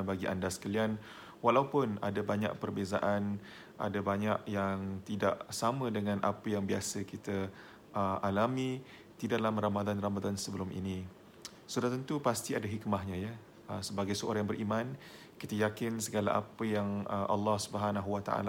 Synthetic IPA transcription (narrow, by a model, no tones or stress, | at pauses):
baɡiʔa̰ndasə̥kalian | walaupʊna̰dabaɲa̰ʔ̚pərbeza̰ʔan | ʔa̰dabaɲaʔjaŋt̪idaʔsamə̃dəŋãnʔa̰pəjaŋbiasəkit̪ə | ʔəalami | t̪idaʔlaməɾamad̪anramad̪ansəbəlumʔḭni | sudat̪ənt̪upast̪iadaɦikmaɦɲãjə | əsəbaɡajsəo̰ɾaŋjŋbərʔiman | kit̪əjakɪnsəɡala̰ʔa̰pəjaŋəʔa̰lːɑhsubəɦanaɦuwat̪a̰ʔa̰l